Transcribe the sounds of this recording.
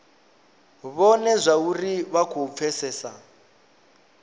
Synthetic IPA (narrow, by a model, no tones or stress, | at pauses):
βɔnɛzʷauriβakʰup̪fʰɛsɛːsa